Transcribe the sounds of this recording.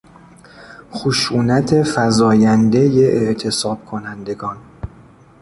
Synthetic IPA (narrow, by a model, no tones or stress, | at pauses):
xoʃuːnæt̪ʰe̞fæzɒːjænd̪e̞jeʔeʔt̪ʰe̞sɒːb̥̚kʰo̞nænd̪e̞ɡɒːn